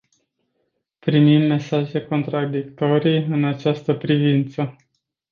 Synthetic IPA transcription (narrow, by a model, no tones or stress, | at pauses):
pɾimimːe̞saʒe̞ko̞nt̪ɾad̪ikt̪o̞ɾiɨnat͡ʃast̪əpɾivint̪sə